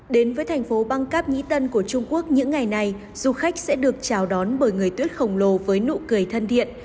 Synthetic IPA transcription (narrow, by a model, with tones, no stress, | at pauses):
ɗe˨˦nvəː˨˦jt̪ʰa˨˩ŋ̟fo˨˦ɓa˧ŋkaː˦˥p̚ɲḭ˧˥t̪ə˧nku˧˩ət͡ɕʊ˧ŋ͡mku˦˥ək̚ɲɨ̰˧˥ŋːa˨˩jna˨˩j | z̥u˧xa˦˥jk̟̚sɛ̰˧˥ɗɨ˨˩ək̚t͡ɕaː˨˩wɗɔ˨˦nɓəː˧˩jŋɨ˨˩əjt̪wi˦˥ət̚xə˨˩wŋ͡mlo˨˩vəː˨˦jnṵ˧˨kɨ˨˩əjt̪ʰə˧nt̪ʰḭ˧˨ənʔ